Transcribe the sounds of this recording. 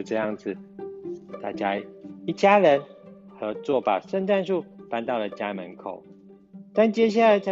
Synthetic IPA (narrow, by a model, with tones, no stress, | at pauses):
ʈ͡ʂɤ˥˧jɑ˥˩ŋd͡zɹ̩˨˩ | t̪a̰˥˩t͡ɕja˦i˥˩t͡ɕja˥˦ɻə˨˦n | xɤ˨˦t͡swɔ˥˩pa̰˨˩ʂə˥˧nʈ͡ʂa˥˧nʂu˥˨pa˦nt̪ɑ˥˩ʊlə˩t͡ɕja˦mə˨˦nkʰo̰˨˩ʊ | t̪a˥˨nt͡ɕjɛ˥ɕ̬ja˥˩la˧˦ɪt͡sʰ